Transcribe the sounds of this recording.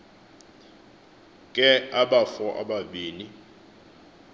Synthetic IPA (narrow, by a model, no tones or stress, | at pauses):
kʼɛaɓafɔʔa̰ɓaɓiːni